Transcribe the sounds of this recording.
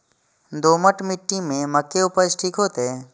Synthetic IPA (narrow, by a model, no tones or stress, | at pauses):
d̪oːməʈmɪʈːimẽməkːeʊpət͡ʃʈʰiːkɦoːt̪eɛː